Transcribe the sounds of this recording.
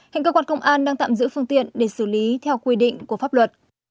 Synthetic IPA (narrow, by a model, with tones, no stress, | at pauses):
hŋkəː˧kwaː˧nkə˧wŋ͡mʔaː˧nɗaː˧ŋt̪a̰ː˧˨mzɨ̰˧˥fɨ˧əŋt̪ḭ˧˨ənɗe˧˩sɨ˧˩li˨˦t̪ʰɛ˧wkwi˧ɗḭ˧˨ŋ̟ku˧˩faː˦˥p̚lwə˨˩t̚